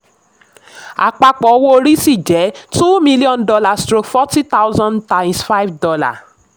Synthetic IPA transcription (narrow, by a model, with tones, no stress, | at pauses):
a̰˨k͡pa˧k͡pɔ˨˧wo˦˧ɾi˦si˦˨d͡ʒɛ˨˦tu˦mĩ˦li˦ɔ̃˦ndɔ˧la˦˨stɾo˧kfɔ˦ti˦ta˦wzɔ̃˦ntã˨j̃nsfa˦jvdɔ˧la̰˨